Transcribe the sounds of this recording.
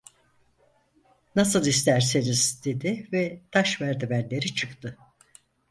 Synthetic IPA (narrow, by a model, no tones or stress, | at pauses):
nasɯlˠist̪ʰæɾseniz̥d̪e̞d̪ɪvɛt̪ʰaʃvæɾd̪ibæɾlʲe̞ɾit͡ʃʰɯkt̪ʰɯ